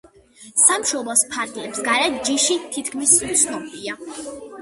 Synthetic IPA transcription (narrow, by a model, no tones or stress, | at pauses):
samʃɔblˠɔspʰaɾd̪iɛpsɡaɾɛt̪̚d͡ʒiʃit̪ʰit̪̚ʰkʰmisut̪sʰnɔbia